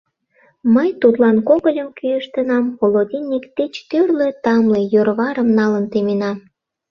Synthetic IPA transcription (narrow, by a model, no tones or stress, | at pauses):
məjt̪ut̪lɑnkoɣəlʲəmkyjəʃt̪ənɑmɣolod̪ʲinʲːikt̪et͡ɕt̪ørlet̪ɑmlejørβɑɾəmnɑlənt̪emenɑm